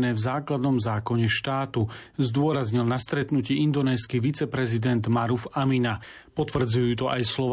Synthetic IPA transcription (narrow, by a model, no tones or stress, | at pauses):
nɛːvzaːklad̪nɔmzaːkɔɲɛʃt̪aːt̪uzd̪ʊɔɾazɲilnast̪ɾɛt̪nuciind̪ɔnɛːskiʋit͡sɛpɾɛzid̪ɛnd̪maɾufamina | pɔt̪ʋr̩d͡zujuːt̪ɔʔajslɔʋ